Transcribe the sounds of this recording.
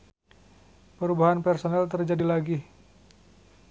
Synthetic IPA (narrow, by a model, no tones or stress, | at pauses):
pəɾubaɦanpɛrsonalt̪ərd͡ʒadilaɡi